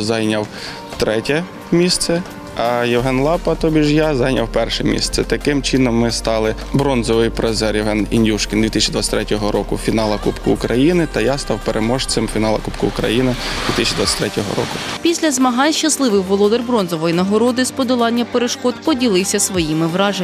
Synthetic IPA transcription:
zɑjnʲɐw | t̪ɾɛtʲɛ | mʲist̪sɛ | ɐjɛwɦɛnlˠɑpɐt̪ɔbʲiʒjazɑjnʲɐwpɛrʃɛmʲḭst̪ɛt̪ɐkɪmt͡ʃɪnɔmːɪst̪ɑlˠɪ | bɾɔnzɔʋɪjpɾezɛrjɛwɦɛninʲjʲuʃkʲɪnd̪ʋʲit̪ɪsʲt͡ʃid̪ʋɑt͡sʲsʲt̪ʲɾɛtʲɔɦɔɾɔkʊfʲinɑlˠɐkupkʊːkɾɐjinɪt̪ɐjast̪ɑwpeɾʔemɔʃsɪmfʲinɑlˠɐkupkʊʊkɾɐ̰jinɪd̪ʋʲit̪ɪsʲt͡ʃid̪ʋɑt͡sʲsʲɐ̥t̪ʲɾɛtʲɔɦɔ̰ɾɔ̰kʊpʲisʲlʲɐzmɐɦɑnʲʃt͡ʃɐslˠɪʋɪxʋɔlˠɔd̪ɛrbɾɔnzɔʋɔjinɐɦɔɾɔd̪ɪspɔd̪ʊlˠɑnʲːɐpeɾeʃkɔt̪pɔdʲilˠɪwsʲɐsʋɔjimɪʋɾɑʒe

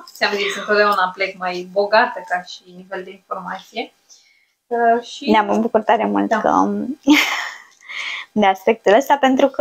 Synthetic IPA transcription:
seamzisʲɨnt̪ot̪d̪eaunaplekmajbo̞ɡat̪əkaʃiniveld̪e̞info̞rmat̪sije̞ | ʃineaməbukut̪ːaɾemṵlt̪kə̰ | d̪easpe̞k̚t̪uləst̪ape̞nt̪ɾuk

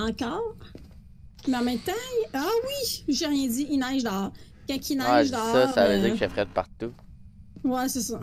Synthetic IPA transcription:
ɑ̃kɔːʁ | meɑ̃mɛ̃t̪ãawiʒeʁjɛ̃d̪iʔinaʒd̪ɑːʁ | kɛ̃kʲinaʒd̪ɑsavøiːʁʒɛfχɛt̪̚pa̰ʁt̪u | wɛsesɐ

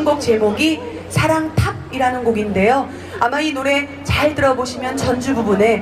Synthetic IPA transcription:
ŋɡok̚t͡ɕe̞moɡi | sʰaɾaŋtʰab̚iɾanɯnɡoɡinde̞jo | amainoɾe̞ | t͡ɕaɭtɯɾʌboɕʰimjʌnt͡ɕʌnd͡ʑububune̞

